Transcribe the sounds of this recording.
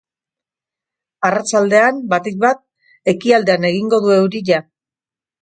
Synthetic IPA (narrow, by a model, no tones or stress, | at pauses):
arat͡ʃald̪e̞ambat̪ikβat̪̚ | e̞kiald̪e̞ane̞ɣ̞iŋɡo̞ðue̞wɾiʝa